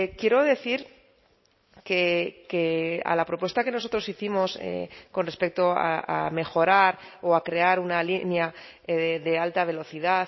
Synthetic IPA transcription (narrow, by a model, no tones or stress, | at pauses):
kje̞ɾo̞ðe̞θiɾ | kekea̰lapɾo̞pwe̞st̪ake̞no̞so̞t̪ɾo̞siθimo̞sḛko̞nrespe̞k̚t̪o̞a̰a̰me̞xo̞ɾaɾoakɾe̞aɾunalinja | ðe̞alt̪aβ̞e̞lo̞θiðaθ